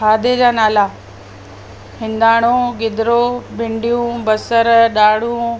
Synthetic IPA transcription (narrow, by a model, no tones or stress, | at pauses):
aːd̪ed͡ʑaːnaːla | hɪ̃nd̪aːɽ̃õɡɪd̪ɾobɪ̃ɳɖijũbɐsəɾɗaːɽ̤ũː